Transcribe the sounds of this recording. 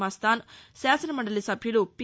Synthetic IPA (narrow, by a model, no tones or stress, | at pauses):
aːst̪aːnsaːsɐnɐmɐɳɖɐlisɐbʱjulupi